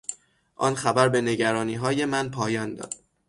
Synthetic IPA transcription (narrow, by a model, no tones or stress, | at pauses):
ʔɒnxæbæɾbe̞ne̞ɟæɾɒːniːɦɒːje̞mænpʰɒːjɒːnd̪ɒ̰ːd̪̥̚